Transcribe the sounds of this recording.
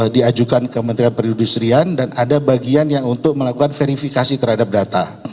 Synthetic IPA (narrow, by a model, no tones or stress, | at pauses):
diad͡ʒukankəmənt̪ɾianpəɾindust̪ɾiandanadabaɡianjaŋunt̪ʊk̚məlakukanfeɾifikasit̪əɾhadap̚dat̪a